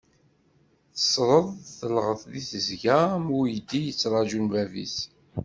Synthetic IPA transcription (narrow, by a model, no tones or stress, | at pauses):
θə̥sˤɾˤəðˤθəlʁəθðiθəzɡæmʊjəd̪ːijət͡sːɾˤɑʒunvævḭs